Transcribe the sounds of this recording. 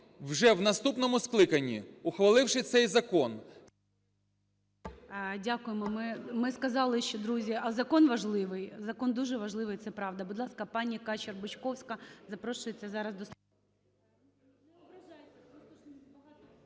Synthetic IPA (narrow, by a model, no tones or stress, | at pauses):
wʒɛwnɐst̪upnɔmʊsklˠɪkɐnʲːḭʊxʋɐlˠɪwʃɪt̪sɛjzɐkɔn | dʲakʊjemɔmɪmɪskɐzɑlˠɪʃt͡ʃɔd̪ɾuzʲiɐzɐkɔnʋɐʒlˠɪʋɪjzɐkɔnd̪uʒɛʋɐʒlˠɪʋɪjt̪sɛpɾɑʋd̪ɐbʊd̪lˠɑskɐpɑnʲikɑt͡ʃɪrbʊt͡ʃkɔwsʲkɐzɐpɾɔʃʊjet͡sʲːɐzɑɾɐzd̪ɔs